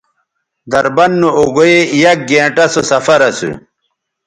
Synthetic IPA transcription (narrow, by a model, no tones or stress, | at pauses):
d̪ɐɾbɐnːuoɡojeijɐk̚ɡẽːʈɐsosɐfɐɾɐsṵ